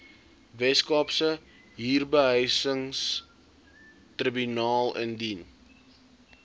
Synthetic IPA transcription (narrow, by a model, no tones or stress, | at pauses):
vɛskɑːpsə | ɦiːrbəɦəjsəŋs | tribynɑːlə̰ndin